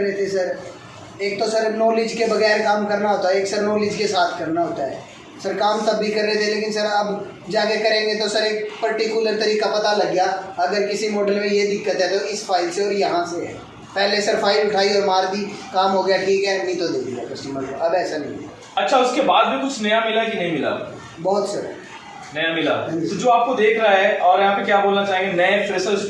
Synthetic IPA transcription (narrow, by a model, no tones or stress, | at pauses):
ɾɛɦet̪eɛsɐɾ | eːk̚t̪osɐɾnoːlɪd͡ʒkebɐɣɛːɾkaːmkɐɾnaɦoːt̪aɦɛeːksɐɾnoːlɪd͡ʒkesaːt̪ʰkɐɾnaɦoːt̪aɦɛ̰ː | sɐɾkaːmt̪ɐbʱikɐɾːɛɦet̪ʰẽleːkɪnsɐɾɐb | d͡ʒaːɡekɐɾẽːŋɡet̪osɐɾeːk̚pəɾʈikʊləɾt̪ɐɾiːkapɐt̪alɐɡjaɐɡəɾkɪsimɔːɖəlmẽjed̪ɪkːət̪ɦɛ̃t̪oɪsfʰaːɪlseɔːɾjɐɦãse | pɛːlesɐɾfʰaːɪlʊʈʰaːiɔːɾmaːɾbʱikaːmɦoɡɐjaʈʰiːkɛːnĩt̪od̪eːkʰːa̰pɐsʈiːmɐnt̪lɐbɛːsanɐɦĩmɪla̰ | ɐtːʃʰaʊskebaːd̪̚bʱikʊt͡ʃʰnɐjamɪlakinɐɦĩmɪla̰ | bɔːt̪sɐɾɦɛ | nɐjamɪla̰ĩod͡ʒoːaːp̚kod̪eːkʰɾaɦɛɔːɾjɐɦãpekjaːboːlnat͡ʃaːɦẽŋɡenɐj̃eːkspɾeːsəz